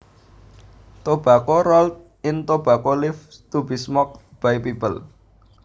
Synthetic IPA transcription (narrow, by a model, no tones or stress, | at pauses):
t̪ob̥ä̤kɔɾɔlt̪̚ | ɪnt̪ob̥ä̤kolɪft̪ub̥i̤smɔk̚b̥ajpibəl